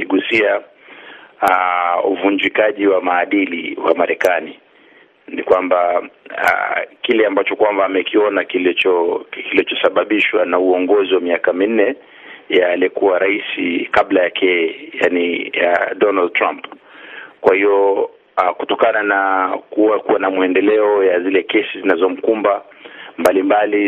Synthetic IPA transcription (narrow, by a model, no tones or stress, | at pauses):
iɠusia | auvuɲd͡ʒikaʄiwamaːɗilḭwa̰maɾɛkani | nikwambaa̰kilɛambat͡ʃɔkwambaːmɛkiɔnakilt͡ʃɔkilit͡ʃɔsaɓaɓiʃwanauɔŋɡɔziwamiakamin̩nɛ | jaliɔkuwaɾaisikaɓlajakʰɛjania̰dɔnald̚tɾamp | kwahiɔ | kutɔkananakuakuwanamuɛndɛlɛɔjazilɛkɛsizinazɔm̩kumba | mbalimbali